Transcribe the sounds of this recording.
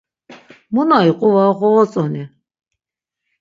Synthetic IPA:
munaiqʼuvaʁɔɔt͡sʼɔni

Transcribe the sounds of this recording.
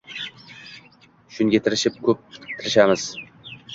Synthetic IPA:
ʃʊŋɡʲet̪ʰɪɾɪʃɪp̚kʲʰɵp̚t̪ʰɪɾɪʃamɪz̥

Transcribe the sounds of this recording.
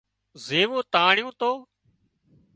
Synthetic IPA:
zeːʋoːt̪aːɳɪjõːt̪oː

